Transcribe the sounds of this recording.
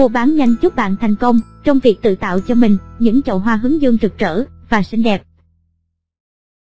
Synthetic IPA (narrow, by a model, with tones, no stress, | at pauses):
o˨˩ɓaː˨˦nɲa˧˩jŋ̟t͡ɕʊ˦˥p̚ɓa̰ː˧˨nt̪ʰa˨˩jŋ̟kə˧wŋ͡mt͡ɕɔ˧wŋ͡mvi˨˩ək̚t̪ɨ̰˧˨t̪a̰ː˧˨wt͡ɕɔ˧mï˨˩ŋ̟ɲɨ̰˧˥ŋt͡ɕə̰˧˨wɦwaː˧ɦɨ˨˦ŋzɨ˧əŋzɨ˨˩k̚t͡ɕə̰ː˧˩ | vaː˨˩sï˧ŋ̟ɗɛ˨˩p̚